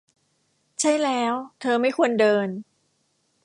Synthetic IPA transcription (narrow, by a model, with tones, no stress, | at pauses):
t͡ɕʰa˥˩jlɛː˦˥wt̪ʰɤː˧ma˥˩jkʰu˧əndɤː˧n